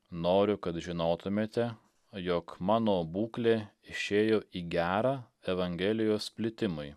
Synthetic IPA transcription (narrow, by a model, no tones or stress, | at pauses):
noːɾʲʊkɐt̪ʒʲɪnoːt̪ʊmʲeːt̪ʲɛ | joːkmɑːnoːbuːklʲeːɪʃʲeːjoːiːɡʲæːɾɑː | ɛʋɐŋʲɡʲɛlʲɪjoːspʲlʲɪt̪ʲɪmʊɪ